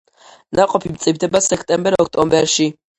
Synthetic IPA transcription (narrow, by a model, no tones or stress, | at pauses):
naqʼɔpʰimt̪sʼivd̪ɛbasɛkʰt̪ʼɛmbɛɾɔkʰt̪ʼɔmbɛɾʃi